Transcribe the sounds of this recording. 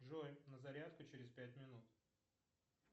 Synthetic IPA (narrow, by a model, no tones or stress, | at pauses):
ʐojʲnəzɐɾʲat̪kʊt͡ɕɪɾʲɪspʲætʲmʲɪnut̪